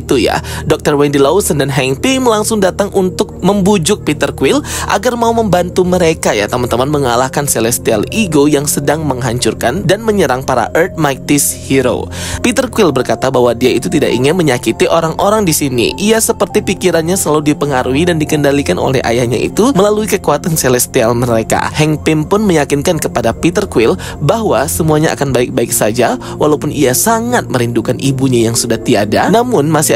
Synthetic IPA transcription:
t̪uja̰dɔk̚t̪ərwɛndilausəndanɦɛŋpiməlaŋsʊŋdat̪aŋʔunt̪ʊk̚məmbud͡ʒʊk̚pit̪ərkuwɪlʔa̰ɡarmauməmbant̪uməɾekaja̰t̪amant̪əmanməŋalahkanselɛst̪ialiɡojaŋsədaŋməŋɦaɲt͡ʃurkandanməɲəɾaŋpaɾa̰ʔərt̪̚mak̚t̪ɪshiɾo̰pit̪ərkuwɪlbərkat̪abaɦwadiait̪ut̪idaʔḭŋɪnməɲakit̪iʔoɾaŋʔoɾaŋdisinḭʔiasəpərt̪ipikiɾanɲasəlaludipəŋaɾʔuidandikəndalikanʔo̰lɛ̰ha̰jahɲa̰ʔḭt̪uməlaluikəkuat̪anselɛst̪ialməɾeka̰hɛŋpɪmpʊnməjakɪnkankəpadapit̪ərkwɪl | baɦwasəmuaɲaʔa̰kanbaɪk̚baɪksad͡ʒa | wʔalaupʊniasaŋat̪̚məɾindukanʔibuɲajaŋsudaht̪iadanamʊnmasɪ

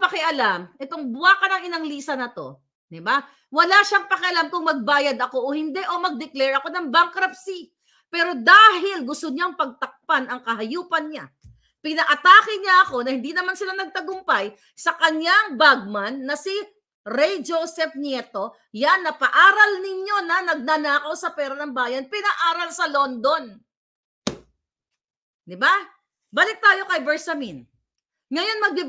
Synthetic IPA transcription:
pɐkɪʔɐlamʔɛt̪oŋbʊaːkɐnɐŋɪnɐŋliːsɐnɐt̪o̞̰ | d̪ɪba | wɐlaʃaŋpɐkɪʔɐlamkʊŋmɐɡ̚baːjɐd̪ɐko̞ʔohɪnd̪ɛʔo̞mɐɡ̚d̪ɛklɛɹʔɐko̞nɐŋbaŋkɾɐpsi | pɛːɾo̞d̪aːhɪlɡʊst̪oɲaŋpɐɡ̚t̪ɐk̚panɐŋkɐɦɐjuːpɐnɲa̰ | pɪnɐʔɐt̪aːkɪɲaʔɐko̞nɐhɪnd̪inɐmansɪlanɐɡ̚t̪ɐɡʊmpaj | sɐkɐɲːaŋbaɡ̚mɐnːɐsɪ | ɾɛjd͡ʒosɛfnɛt̪o̞ | janːɐpɐʔaːɾɐlnɪɲjo̞nɐnɐɡ̚nɐnaːkɐwsɐpɛːɾɐnɐŋbaːjɐnpɪnɐʔaːɾɐlsɐlo̞nd̪o̞n | d̪ɪba | baːlɪk̚t̪aːjo̞kɐjbɛsɐmin | ŋɐjo̞nmɐɡ̚bi

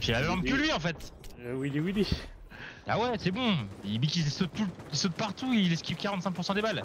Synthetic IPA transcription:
ʃelavmɑ̃bkəlɥiɑ̃fɛt̪wiliwili | a̰wɛsɛbɔ̃ilbikisɔt̪̚t̪uisɔt̪̚paʁt̪uilɛskʲikʲaʁɑ̃t̪sɛ̃k̚puʁsɑ̃d̪ebal

